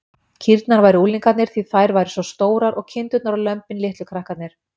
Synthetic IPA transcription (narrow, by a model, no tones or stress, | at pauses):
cʰiɾt̪naɾvaːjɾɪuːliŋkat̪nɪɾ̥θiθajɾvaːjɾɪsvɔst̪oːwɾaɾʔɔɣcʰɪnt̪ʏt̪naɾalœmpɪnlɪht̪lʏkʰɾahkat̪nɪɾ̥